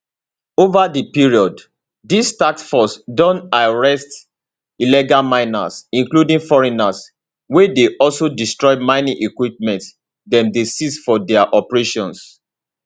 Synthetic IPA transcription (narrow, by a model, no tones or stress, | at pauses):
ovadipiɹiɔd | distakfɔsdɔ̃ntaɹɛst | ilɛɡalmãɪna̰sĩŋkludĩŋfɔɹinas | wedeʔɔlsodistɹɔɪmaɪniʔikwip̚mɛ̃nt | dɛ̃mdesisfɔdɛaʔɔpɹeʃɔ̃ns